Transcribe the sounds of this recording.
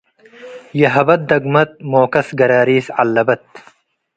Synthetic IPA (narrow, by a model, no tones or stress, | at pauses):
jɐɦɐbɐt̪̚d̪ɐɡmɐt̪̚moːkɐsɡɐɾaːɾiːsɐlːɐbɐt̪